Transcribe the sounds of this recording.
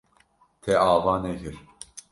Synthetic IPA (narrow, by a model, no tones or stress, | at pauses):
t̪ʰɛʔaːvaneɦiɾ̥